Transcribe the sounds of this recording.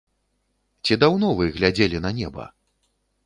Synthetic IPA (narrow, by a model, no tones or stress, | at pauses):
t͡sʲid̪awnɔvɨɣlʲad͡zʲelʲinɐnʲɛbɐ̰